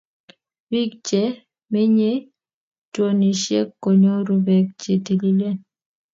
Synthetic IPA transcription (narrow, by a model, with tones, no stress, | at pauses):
wi˦k̚d͡ʒe˨˦ | me˦ɲe˦ | two˦˨ni˨ʃjḛ˦kːo˨ɲo˦ɾu˨bɛ˨k̚t͡ʃe˨ti˨li˦le˦